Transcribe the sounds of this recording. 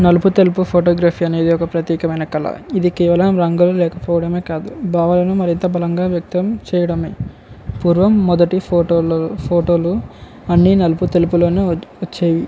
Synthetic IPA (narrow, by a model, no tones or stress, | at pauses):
nɐluput̪elupupʰoːʈoːɡɾaːpʰiːɐne̞ːd̪iɔkɐpɾɐt̪jɛːkɐmɐjnɐkɐlɐ̰id̪ikɛːʋɐlɐmɾɐŋɡɐlɐlɛːkɐpɔːʋɐɽɐme̞ːkaːd̪ubʱaːʋɐlɐnumɐɾint̪ɐbʱɐlɐŋɡaːʋjɐk̚t̪ɐmt͡ʃɛːjɐɽɐme | puːɾʋɐmːɔd̪ɐʈiopʰoːʈoːlu | ɐnːinɐluput̪elupulo̞ːneːʋɐt͡ʃːeːʋi